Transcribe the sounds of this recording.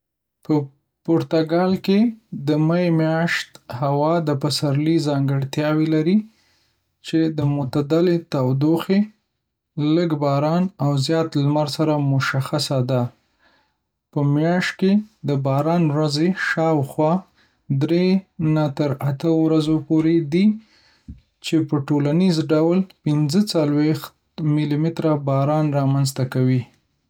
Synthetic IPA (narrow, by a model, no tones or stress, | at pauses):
pə | poɾt̪aɡɑlked̪əmajemjɑʃt̪hawɑd̪əpasaɾlizɑŋɡəɽt̪jɑwelaɾi | t͡ʃed̪əmʊt̪ad̪alet̪awd̪oxe | ləɡbɑɾɑnawzjɑt̪lmaɾsaɾamʊʃaxasad̪a | pəmjɑʃt̚ked̪əbɑɾɑnwɾazeʃɑwxwɑ | d̪ɾenat̪əɾat̪əwɾazopoɾed̪i | t͡ʃepəʈolanizɖawlpɪnzət͡salwext̪ | mɪlimɪt̪ɾabɑɾɑnɾɑmanzt̪akawi